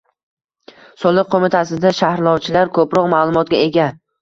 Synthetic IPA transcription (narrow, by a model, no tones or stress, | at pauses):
sɒlˠɨq̚qʰomɪt̪ʰasɪd̪aʃahɾlˠɒwt͡ʃʰɪlaɾkʰɵpɾɒqmalˠʊmɒt̪̚ɡʲae̞ɡʲa